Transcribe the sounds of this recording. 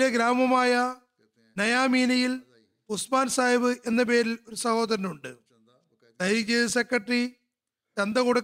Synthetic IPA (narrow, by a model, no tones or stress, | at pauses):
eɡɾaːmɐmaːjɐ | nɐjaːmiːnɐjil | pusmaːnsaːjʋɨʔe̞nːɐp̬e̞ːɾilo̞ɾusɐho̞ːðɐɾɐnuɳɖɨ | d̪ɐjɾit͡ɕːiesekːɐʈri | ɾɐnd̪ɐkoɽu